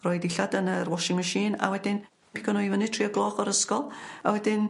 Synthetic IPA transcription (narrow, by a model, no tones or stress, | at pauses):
rɔjdɪɬadənərwɔʃɪŋməʃiːna̰wɛdɪn | pʰɪ̥kʰɔnɔɨvənɨ̥tʰriːəɡlˠɔːχɔɾəskɔlˠa̰wɛdɪn